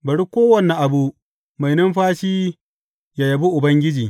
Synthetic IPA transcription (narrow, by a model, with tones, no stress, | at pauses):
bɐ˨ɽi˦kʷoː˦wɐ˦˨nɛ˨ʔa˨bu˦ | ma˨jnɐ˦mɸaː˦ʃiː˦ | ja˨jɐ˨bu˦ʔʊ˨bɐ˦ŋɡʲɪ˦d͡ʒiː˨